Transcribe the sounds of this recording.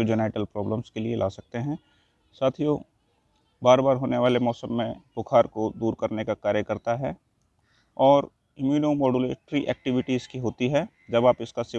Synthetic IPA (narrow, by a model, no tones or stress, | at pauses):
d͡ʒɪnaːɪʈəlpɾɔːbləmskelielʔa̰ːsɐk̚t̪eɦɛ̃ | saːt̪ʰijoː | baːɾbaːɾɦoːneʋaːlemɔːsəmːẽbʊkʰaːɾkod̪uːɾkɐɾnekakaːɾjəkɐɾt̪aɦɛ | ɔːɾ | ɪmjuːnomɔːɖuleːʈɾiʔɛ̰ːk̚ʈɪʋɪʈizkiɦoːt̪iɦɛ | d͡ʒɐbaːpɪskasɪ